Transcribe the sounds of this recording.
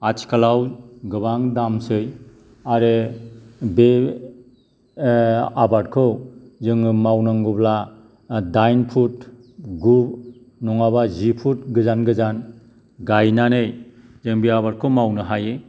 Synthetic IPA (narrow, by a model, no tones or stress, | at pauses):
at͡ʃʰi̥kʰalawɡɯbaŋdamsɯj | aɾe | be | abad̚kʰɯwzɯŋɯmawnaŋɡubla | dajnpʰut | ɡub | nɔŋaβazipʰut̚ɡɯzanɡɯzan | ɡajnanɯj | zɯŋbeabaɾ̚kʰɯwmawnɯɦaje